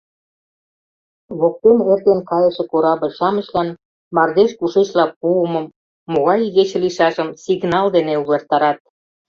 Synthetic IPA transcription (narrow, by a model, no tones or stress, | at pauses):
βok̚t̪enert̪enkɑjə̆ʃĕkoɾɑbə̆lʲʃɑmə̆ʃlɑn | mɑrd̪eʃkuʃet͡ɕlɑpuəməmː | oɣɑjɣet͡ɕĕliʃɑʒə̆msiɡnɑld̪eneulert̪ɑɾɑt̪̚